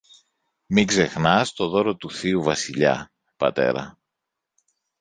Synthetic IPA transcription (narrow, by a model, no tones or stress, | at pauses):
miɡze̞xnɐst̪o̞ðo̞ɾo̞t̪uθiuvɐsiʎɐ̰ | pɐ̰t̪e̞̰ɾɐ̰